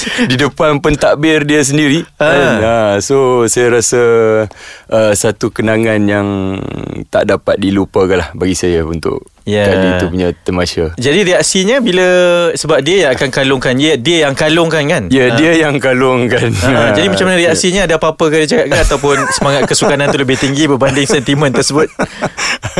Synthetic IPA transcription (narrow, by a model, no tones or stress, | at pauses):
didəpanpənt̪aʔbɪrdiəs̬əndiɾiəanəsosajaɾasə | ʔəsat̪ukənaŋanjaŋ | t̪a̰ʔdapat̪̚dilupəkanlahbaɡisajaṵnt̪ʊ̰ʔ | jad͡ʒaiupuɲãt̪əmaʃəd͡ʒadiɾiak̚siɲəbiləsəbap̚diəjaŋakankalʊŋkandiəjaŋkalʊŋkankanjadiəjaŋkalʊŋkand͡ʒadimat͡ʃamanaɾiaksiɲəːdapapəkadiət͡ʃakaʔ̚kanat̪awp̬ʊnsəmaŋat̪̚kəsukanãnt̪uləbɪht̪iŋɡibəbandɪŋsɛnt̪imə̃nt̪ərsəbʊt̪̚